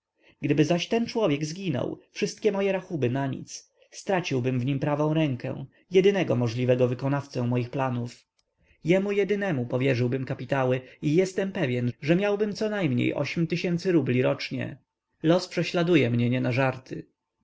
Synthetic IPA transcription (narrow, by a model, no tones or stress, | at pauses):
ɡd̪ɘbɘzaɕt̪ɛnt͡ʂwɔvʲjɛɡzɡʲinɔ̰wfʂɘst̪̚kʲɛmɔjɛɾaxubɘnaɲḭt̪s | st̪ɾat͡ɕiwbɘmvɲimpɾavɔ̃w̃ɾɛŋkɛ̰̃w̃ | jɛd̪ɘnɛɡɔmɔʐlʲivɛɡɔvɘkɔnaft̪sɛ̃mɔjixplanuf | jɛmujɛd̪ɘnɛmupɔvʲjɛʐɘwbɘmkapʲit̪awɘijɛst̪ɛmpɛvʲjɛnʐɛmʲjawbɘmt̪sɔnajmɲḛjʔɔ̰ɕmʲt̪ɘɕɛnt̪sɘɾublʲiɾɔt͡ʂɲɛ̰ | lɔspʂɛɕlad̪ujɛmɲɛɲɛnaʐaɾt̪ɘ